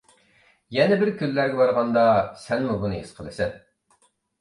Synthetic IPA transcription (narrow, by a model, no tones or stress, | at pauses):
jɛnɛbɪɾkʲʰylːæɾɡʲɛbɑɾʁɑnd̪ɑsɛnmubunɨesqʰəlˠɨsɪn